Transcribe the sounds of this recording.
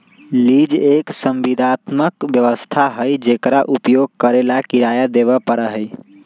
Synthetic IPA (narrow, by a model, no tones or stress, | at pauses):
lid͡ʒeksəmʋid̪ʱat̪məkbjəʋəst̪ʰaɦəjd͡ʒekɾaʔupjoɡ̚kəɾelakiɾajad̪eβəpəɾəɦəj